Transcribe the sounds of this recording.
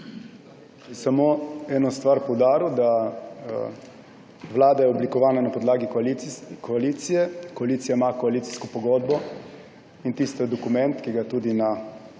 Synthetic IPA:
ɛsamoɛːnɔst̪ʋaɾpɔwd̪aːɾiuwd̪a | ʋlaːd̪ajɛɔblikɔʋaːnanapɔd̪laːɡilikʰɔaliːt̪sijɛkɔaliːt̪sijaimakɔaliːt̪si̥skɔpɔɡoːd̪bɔ | int̪ist̪ɔd̪ɔkumɛnt̪kiɡat̪uːd̪ina

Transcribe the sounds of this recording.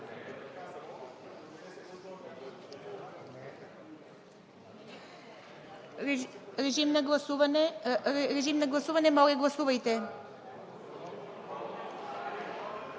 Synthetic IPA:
ɾɛʒimnaɡlˠasuvan | ɾɛʒimnaɡlˠasuvanɛmɔlɛɡlˠasuvajt̪ɛ

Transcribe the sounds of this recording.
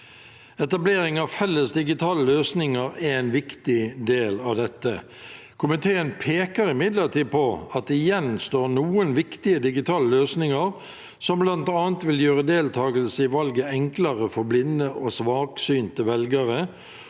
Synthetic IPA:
ɛt̪ɑbleːɾɪŋɑʋfɛlːəsd̪ɪɡɪt̪ʰɑːləløːsnɪŋəɾææɪnʋɪkt̪ɪd̪eːlɑʋd̪ɛt̪ːə | kʰʊmɪt̪ʰeːənpʰeːkəɾɪmɪd̪ləɾt̪iːpʰɔɑt̪ɪjɛnst̪oːnuːənʋɪkt̪ɪəd̪ɪɡɪt̪ʰɑːləløːsnɪŋəɾ | sɔmblɑnt̪ɑːnt̪ʋɪljøːʁəd̪eːlt̪ʰɑːɡəlsəɪʋɑlɡəɛŋklɑʁəfɔɾblɪnːəʔɔsʋɑːksyːnt̪əʋɛlɡəɾə

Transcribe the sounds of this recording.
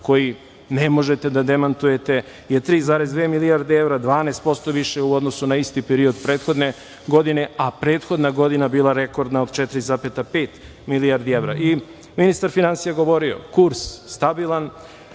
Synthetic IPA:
ko̞ji | nemo̞ʒe̞t̪e̞d̪ad̪emant̪uje̞t̪e̞ | jet̪ɾiːzaːɾe̞zd̪ʋeːmiliaɾd̪eeʋɾad̪ʋaːnest̪po̞st̪o̞ʋiʃeuo̞d̪nosunaist̪ipeɾio̞d̪pɾeːt̪xo̞d̪ne | ɡo̞d̪ine̞apɾeːt̪xo̞d̪naɡo̞d̪inabiːlˠaɾe̞ko̞ɾd̪naod̪t͡ʃɛt̪ɾizapet̪ape̞ːt̪ | miliaɾd̪ieʋɾa̰ʔi | minist̪aɾfinansijaɡo̞ʋo̞ɾio̞̰kuɾsst̪abilˠan

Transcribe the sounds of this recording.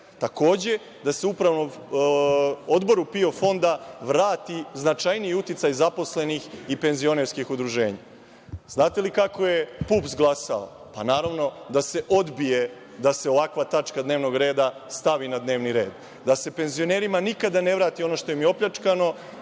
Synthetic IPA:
t̪ako̞ːd͡ʑe̞ | d̪ase̞upɾaʋno | o̞d̪bo̞ɾupio̞fo̞nd̪aʋɾaːt̪iznat͡ʃajniiut̪it̪sajzapo̞sle̞nixipe̞nzio̞neɾskixud̪ɾuʒe̞ːɲa̰ | znaːt̪e̞likako̞je̞puːpzɡlˠasao̰ | panaːɾaʋno̞d̪ase̞ʔo̞d̪bije̞ | d̪aseo̞ʋakʋat̪at͡ʃkad̪ne̞ːʋno̞ɡɾe̞ːd̪ast̪aʋinad̪ne̞ːʋniɾe̞̰ːd̪ | d̪ase̞pe̞nzio̞ne̞ːɾimanikad̪ane̞ʋɾaːt̪io̞no̞ʃt̪o̞jemio̞pʎat͡ʂkano̞

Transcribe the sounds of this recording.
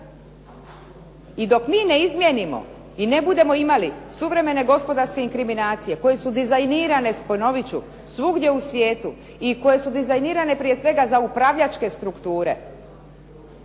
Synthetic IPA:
id̪o̞kmiːne̞izmjenimo̞̰ | inebud̪e̞mo̞imalisuʋɾe̞me̞ne̞ɡo̞spo̞d̪aɾske̞iŋkɾiminaːt̪sije̞ko̞je̞sud̪izajniːɾane̞spono̞ʋit͡ɕu | sʋuɡd̪je̞usʋje̞ːt̪u | iko̞je̞sud̪izajniːɾane̞pɾije̞sʋe̞ɡazaupɾaʋʎat͡ʃke̞st̪ɾukt̪uːɾe̞̰

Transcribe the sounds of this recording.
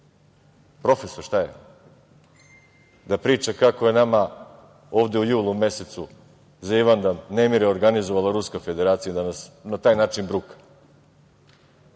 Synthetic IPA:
pɾo̞fesoɾʃt̪ajḛ | d̪apɾiːt͡ʃakako̞je̞nama | o̞ːʋd̪eujuːlˠume̞se̞t̪su | zaiʋand̪annemiɾeo̞ɾɡanizoʋalˠaɾuskafe̞d̪eɾaːt̪sijad̪anasnat̪aːjnaːt͡ʃinbɾukḁ

